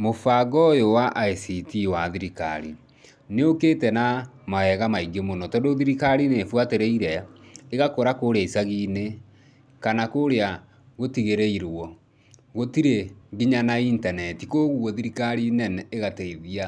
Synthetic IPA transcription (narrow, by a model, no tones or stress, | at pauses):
mofaɡɔjowaʔaesitiwaðiɾika̰ɾḭ | neokeːtɛnamaɛɣamaiɡemonɔtɔndoðiɾikaɾinefwateɾeiɾɛeɣakoɾakoɾeaisaɣiːne | kanakoɾea | ɣotiɣeɾeiɾwɔ | ɣotiɾeɡiɲanaintanɛtikoɣuwɔðiɾikaɾinɛnɛeɣateiðia